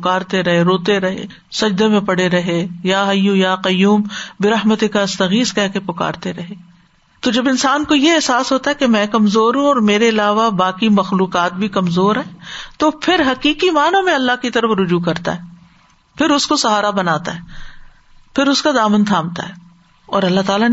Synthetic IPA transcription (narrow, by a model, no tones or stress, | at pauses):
pʊkaːɾt̪eɾɐɦeɾoːt̪eɾɐɦḛ | sɐd͡ʒd̪emẽpɐɽ̤eɾɐɦejaɦɐjujaqɐjuːmbɪɾɐɦmət̪ekaɐst̪ɐɣiːskɛɦkepʊka̰ːɾt̪eɾɐɦeː | t̪od͡ʒɐbɪnsaːnkojeɛɦsaːsɦoːt̪aɦɛkemɛ̃ːkɐmzoːɾɦũɔːɾmeːɾeɐlaːʋabaːkimɐxluːqaːt̪̚bʱikɐmzoːɾɦɛ̃ːt̪opʰɪɾɦɐkiːqimaːnãmẽɐlːaɦkit̪ɐɾəfɾʊd͡ʒuk̬ɐɾt̪a̰ɦɛː | pʰɪɾʊskosɐɦaːɾabɐnaːt̪a̰ɦɛː | pʰɪɾʊskad̪aːmənt̪ʰaːmt̪a̰ɦɛː | ɔ̰ːɾɐlːaɦt̪aːla